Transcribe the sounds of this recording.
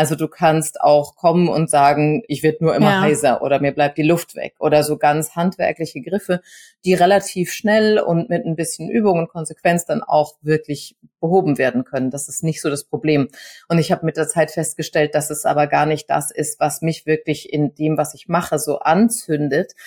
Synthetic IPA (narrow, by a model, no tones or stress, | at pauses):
ʔalzoduːkʰansta̰ʊxkʰɔmənʊ̰ntz̥aːɡŋ̩ʔɪçv̥ɪɐdənuːɐʔɪmɐɦaɪsɐʔo̰ːɾɐmiːɐblaɪp̚td̥iːlʊftv̥ɛ̰kʔoːɾɐzoːɡant͡shantv̥ɛ̰ɐklɪçəɡʁɪfə | d̥iːʁelatʰiːfʃnɛlʊ̰ntmɪtnəmbɪsçən̩ʔyːbʊŋʊnt̚kʰɔnzekv̥ɛnt͡sd̥ana̰ʊxv̥ɪɐklɪç | b̥əɦoːbm̩veːɐdn̩kʰœnənd̥asɪstnɪçtz̥oːɾaspʁ̥obleːmʔʊntɪçhaːbəmɪt̚d̥eːɐt͡saɪtfɛst̚ɡ̥əʃtɛlt̚d̥asɛsʔa̰ːbɐɡaːɐnɪçt̚d̥a̰sɪstv̥asmɪçv̥ɪɐklɪçʔɪndeːmvasɪçmaχəzo̰ːʔant͡sʏndət